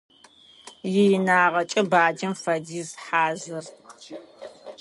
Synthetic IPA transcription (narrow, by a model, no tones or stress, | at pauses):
jɪjɪnaːʁɐt͡ʃʼɐbaːd͡ʒɪmfɐdiːzħaːzɨr